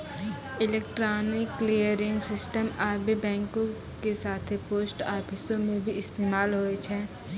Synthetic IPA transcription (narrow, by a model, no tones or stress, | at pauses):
ɪleːk̚ʈɾaːnɪkːlijəɾɪ̃ŋsɪsʈəmaːbʱibɛ̃ːŋkõ | kesaːt̪ʰepoːsʈaːpʰɪsõmẽbʱiɪst̪eːmaːlɦoet͡ʃʰɛː